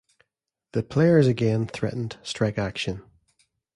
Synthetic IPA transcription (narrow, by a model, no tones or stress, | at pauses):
ðəpʰl̥eə˞zəɡɛ̃nθɹɛ̰ʔn̩d̥stɹ̥ɛkakʃə̃n